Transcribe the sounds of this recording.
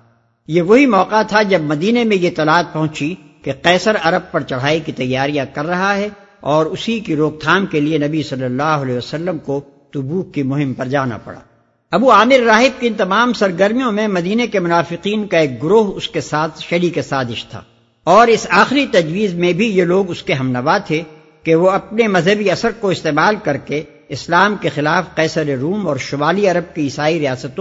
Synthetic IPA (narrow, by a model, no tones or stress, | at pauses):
jeʋɐɦimɔːqat̪ʰad͡ʒɐbmɐd̪iːnemẽjet̪ɐlaːt̪̚pɐɦʊ̃t͡ʃi | keqɛːsəɾɐɾəb̚pɐɾt͡ʃɐɽ̤aːikit̪ɐjːaːɾijãkɐɾːɐɦaɦɛ | ɔːɾʊsikiɾoːɡ̚t̪ʰaːmkelienɐbisɐlːəlːaːɦʊɐleʋəsɐlːəmko | t̪ʊbuːkkimʊɦɪmpɐɾd͡ʒaːna̰pɐ̰ɽa̰ː | ɐbuaːmɪɾːaːɦɪb̚kiɪ̃nt̪ɐmaːmsɐɾɡəɾmijõmẽmɐd̪iːnekemʊnaːfɪqiːnkaeːk̚ɡʊɾoːɦʊskesaːt̪ʰʃɐlikesaːzɪʃt̪ʰa̰ː | ɔːɾɪsaːxɪɾit̪ɐd͡ʒʋiːzmẽbʱijeloːɡʊskeɦɐmnɐʋat̪ʰe | keʋoɐpnemɐzɦəbiɐsəɾkoɪst̪eːmaːlkɐɾke | ɪslaːmkexɪlaːfqɛːsəɾeɾuːmɔːɾʃʊmaːliɐɾəb̚kiɪsaːiɾijaːsət̪õ